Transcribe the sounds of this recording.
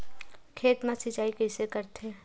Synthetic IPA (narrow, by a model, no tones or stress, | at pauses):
kʰeːt̪mãsɪt͡ʃaːikɛsekɐɾt̪eː